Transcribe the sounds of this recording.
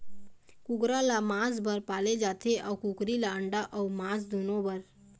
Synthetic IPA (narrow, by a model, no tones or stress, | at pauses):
kʊkɾalamãːsbəɾpaːled͡ʒat̪ʰeʔaukukɾilaəɳɖaʔɔumãːsd̪onõbəɾ